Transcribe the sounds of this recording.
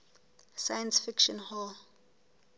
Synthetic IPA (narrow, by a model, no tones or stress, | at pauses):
sajə̃nsfikʃɔ̃nhɔl